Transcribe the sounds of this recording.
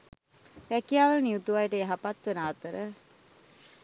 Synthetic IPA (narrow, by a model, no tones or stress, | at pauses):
ɾækijaːʋəlniut̪uʋajʈəeɦapat̪ʋenaːt̪əɾə